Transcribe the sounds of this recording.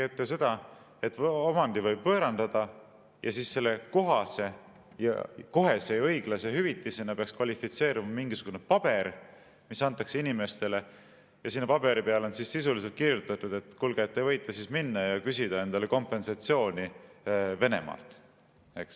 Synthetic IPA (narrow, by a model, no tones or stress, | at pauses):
et̪ːˑese̞d̪̥ɑ | e̞t̪ːomɑnd̪ivɤjb̥̚pɤːɾɑnd̪ɑd̪̥ɑ | jɑsiːssːe̞lːe̞ko̞ɦɑse̞ | jɑ̰ko̞ɦe̞se̞jɤ̞jɡ̥lɑseɦyvit̪ːˑisenɑpeɑkskvɑlʲifit̪se̞ːɾimɑmiŋɡ̥isuɡ̥une̞pɑb̥e̞ɾ | misɑnt̪ːˑɑkse̞inime̞st̪e̞le | jɑsinːepɑbe̞ɾipe̞ɑleo̞nsisisulis̬e̞lt̪̚kiɾjut̪ːˑɑt̪ːˑud̪̥e̞t̪ːˑkulɡ̥et̪ːˑevɤ̞jt̪ˑːɑsiːsminːɑjɑkysid̪̥ɑe̞nd̪̥ɑle̞ko̞mpːˑe̞nsɑt̪sio̞ːnʲi | ve̞ne̞̰mɑ̰lt̪ | e̞ks